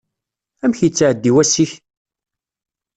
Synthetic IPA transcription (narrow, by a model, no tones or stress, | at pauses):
æmçjt͡sːʕəd̪ːiwæsiç